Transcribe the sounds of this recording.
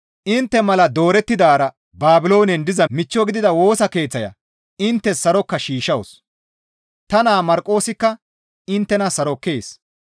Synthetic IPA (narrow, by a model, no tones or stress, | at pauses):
ʔɪnt̪ːɛmɐlɐd̪o̞ːɾɛt̪ːɪd̪aːɾɐ | baːbɪlo̞ːnɛnd̪ɪzɐmɪt͡ʃːɔɡɪd̪ɪd̪ɐwo̞ːsɐke̞ːt͡sːɐjɐ̰ | ɪnt̪ːɛssɐɾɔkːɐʃiːʃɐws | t̪ɐnaːmɐɾkʼːo̞ːsɪkːɐ | ɪnt̪ːɛnɐsɐɾɔkːe̞ːs